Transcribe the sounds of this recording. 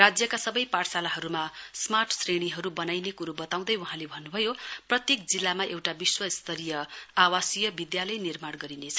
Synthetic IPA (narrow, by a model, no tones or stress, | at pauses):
rad͡zjʌkasʌbʌjparsalaɦʌɾumasmarʈʰsreɽ̃iɦʌɾubʌnajnekuɾubʌt̪aw̃d̪ʌjuɦãlebʱʌnːubʱʌjoprʌt̪jek̚d͡zilːamaʔewʈabiswʌst̪ʰʌɾijʌawasijʌbid̪jalʌjnirmaɽɡʌɾinet͡sʰʌ̥